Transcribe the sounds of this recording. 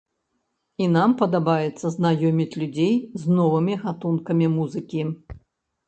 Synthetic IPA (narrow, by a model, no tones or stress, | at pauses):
inampɐd̪abajɛt̪sːɐznajɔmʲit͡sʲlʲud͡zʲejznɔvɨmʲiɣat̪unkɐmʲimuzɨkʲi